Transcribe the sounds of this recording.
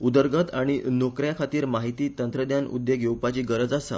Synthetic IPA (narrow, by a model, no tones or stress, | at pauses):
ud̪əɾɡət̪aɽ̃inokɾjakʰat̪iːɾmaɦit̪iːt̪ənt̪ɾəd̪janṵd̪jeɡjewpat͡ɕiːɡəɾəd͡zasa̰